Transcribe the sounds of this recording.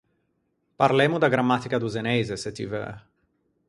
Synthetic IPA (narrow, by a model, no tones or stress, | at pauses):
paɾlɛmud̪aɡɾamːat̪ikad̪uzenɛjzeset̪ivə̰